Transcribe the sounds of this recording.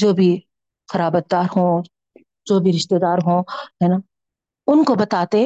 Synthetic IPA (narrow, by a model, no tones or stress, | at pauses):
d͡ʒoːbʱi | xɐɾaːbət̪̚d̪aːɾɦõː | d͡ʒoːbʱiɾɪʃt̪eːd̪aːɾɦõːɦɛːnaː | ʊnkobɐt̪aːt̪e